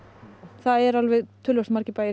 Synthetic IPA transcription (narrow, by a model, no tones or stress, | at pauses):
θaðɛɾalvɛðt̪ʰʏːlvœsmaɾcɪpaːj